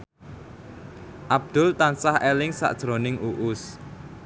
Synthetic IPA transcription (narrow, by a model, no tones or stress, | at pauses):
ʔab̚d̪̥ʊ̤lt̪ansahɛlɪŋsa̰ʔd̥ʒ̥ɾonɪŋuʔʊs